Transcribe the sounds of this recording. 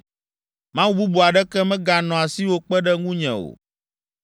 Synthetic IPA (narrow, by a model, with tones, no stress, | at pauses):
mã˦wu˦bu˦bu˨a˨ɖɛ˦kɛ˦mɛ̃˦ɡa˨nɔ̃˨a˨si˦wo˦k͡pɛ˦ɖɛ˦ŋũ˦ɲɛ̰̃˨o̰˨